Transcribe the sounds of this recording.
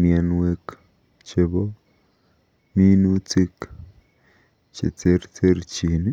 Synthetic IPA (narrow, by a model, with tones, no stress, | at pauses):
mjɛ˨nwe˨k | t͡ʃe˨bo˦ | mi˦nu˦t͡si˦k | t͡ʃḛ˨t͡se˦rt͡se˦ɾt͡ʃi˨n˦